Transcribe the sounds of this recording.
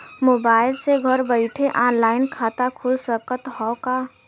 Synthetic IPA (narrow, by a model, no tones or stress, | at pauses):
mobailseɡʱəɾbəɪʈʰeʔanlaɪnkʰat̪akʰulsəkət̪ɦɔka